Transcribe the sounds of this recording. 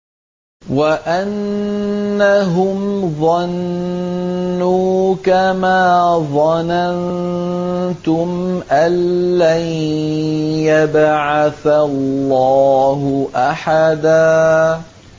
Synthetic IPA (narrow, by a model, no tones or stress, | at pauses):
waʔanː | aɦʊmðˤɑn | uːkamaːðˤɑnan | t̪ʊmʔanːaj | jabʕaθalːɑːɦʊʔaħad̪aː